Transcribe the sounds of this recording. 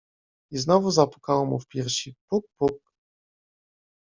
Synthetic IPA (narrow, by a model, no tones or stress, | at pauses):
iznɔvuzapu̥kawɔmufpʲjɛɾɕipuk̚puk̚